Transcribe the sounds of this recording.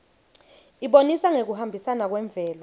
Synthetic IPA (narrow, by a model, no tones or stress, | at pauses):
iɓonisaŋek̬uhambʱisanak̬wɛɱb̪vʱɛːlɔ